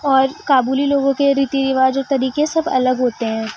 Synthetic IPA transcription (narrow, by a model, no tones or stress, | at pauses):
ɔːɾkaːbuːliloːɡõkeɾiːt̪iɾɪʋaːd͡ʒɔːɾt̪ɐɾiːkesɐbɐ̰ləɡɦoːt̪eɦɛ̃ː